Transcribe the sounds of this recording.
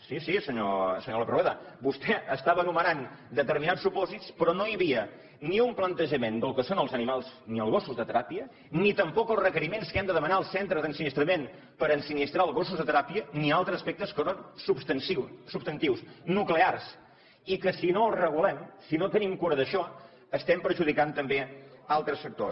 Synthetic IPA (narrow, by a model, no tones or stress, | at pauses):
sisisəɲo̰səɲoləpɾeðəbust̪ɛəst̪aβəːnumənand̪ət̪əɾminat͡ssupɔzitspɾɔnojəβiə | niumplənt̪əʒəmend̪əlˠkəsonəlˠzənimalˠzniəlˠɣ̞osuzðət̪əɾapiə | nit̪əmpɔkəlˠzrəkəɾimenskɛmd̪əðəmənaəlˠsent̪ɾəzðənsinist̪ɾəmen | pəɾənsinist̪ɾaəlˠɣosuzðət̪əɾapiənialˠt̪ɾəzəspɛk̚t̪əskəsonsupst̪ənsisupst̪ənt̪iwsnuklears | ikəsinolrəɣ̞ulɛmsinot̪ənimkuɾəðəʃɔ | əst̪ɛmpəɾʒuð̞ikant̪əmbealˠt̪ɾəsfək̚t̪o̰s